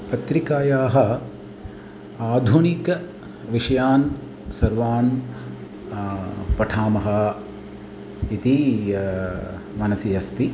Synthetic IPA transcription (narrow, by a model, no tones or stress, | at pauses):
pɐt̪ɾikaːjaːɦɐ | aːd̪ʱunikɐ | ʋiʂɐjaːn | sɐɾʋaːn | pɐʈʰaːmɐɦɐ | it̪i | mɐnɐsijɐst̪i